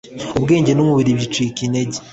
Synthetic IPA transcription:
obɡe̞ːɲɟe̞nomuβiɾiβit͡ʃwikineɟe

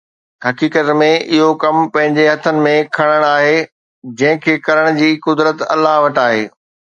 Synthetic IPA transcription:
ɦɐkiːkət̪mẽʔɪɦokɐmpɐ̃ɦɪ̃ɲd͡ʑeɦɐt̪ʰənɪ̆mẽkʰɐɽ̃əɽ̃aːɦeː | d͡ʑɐ̃ɦɪ̃kʰeːkɐɾəɽ̃d͡ʑiːkʊd̪ɾət̪ɐ̰lːaɦʋɐʈaːɦḛː

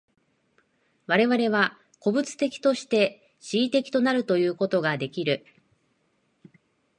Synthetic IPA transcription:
βaɾe̞βaɾe̞βa | ko̞bɯ̟t͡sɨ̥t̪e̞kʲi̥t̪o̞ɕi̥t̪e̞ | ɕiːt̪e̞kʲi̥t̪o̞naɾɯ̟t̪o̞jɯ̟ːko̞t̪o̞ɡad̪e̞kʲiɾɯ̟

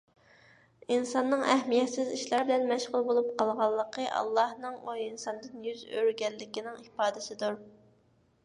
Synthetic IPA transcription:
insɑnːɨŋɛhmijɛt̪sɪziʃlˠɑɾbɪlɛnmɛʃʁʊlˠbolˠup̚qʰɑlˠʁɑlˠːəqʰəʔɑ̰lˠːɑhnɨŋwɛinsɑnd̪ɨnjyzø̰ɾɡʲɛlːɪkʲinɪŋipɑːd̪ɨsɪd̪uɾ

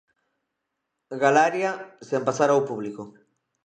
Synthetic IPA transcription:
ɣalaɾjasempasaɾawpuβliko

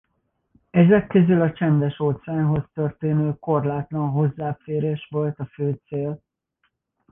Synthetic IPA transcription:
ɛzɛkːø̞zylɒt͡ʃɛnd̪ɛʃoːt̪saːnɦo̞st̪ørt̪eːnøːko̞rlaːt̪lɒnɦo̞zːaːfeːɾeːʃʋo̞lt̪ɒføːt̪seːl

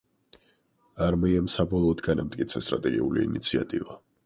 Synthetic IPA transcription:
aɾmiɛmsabɔlˠɔːd̪ɡanamt̪ʼkʼit̪sʰɛst̪ʼɾat̪ʼɛɡiuliinit̪sʰia̰t̪ʼiva

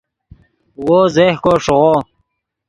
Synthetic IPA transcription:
woːzehkoʂuʁo

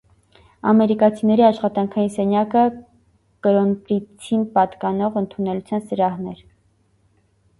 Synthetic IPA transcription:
ɑmɛɾikɑt͡sʰinɛɾiɑʃχɑt̪ɑŋkʰɑjinsɛnjɑkə | kəɾɔnpɾit͡s̪ʰinpɑt̪kɑnɔʁənt̪ʰunɛlut͡sʰjɑnsəɾɑhnɛɾ

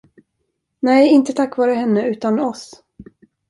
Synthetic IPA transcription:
nɛjɪnt̪ət̪ʰakːvɑːɾəɦɛnːəʉ̟ːt̪anɔs

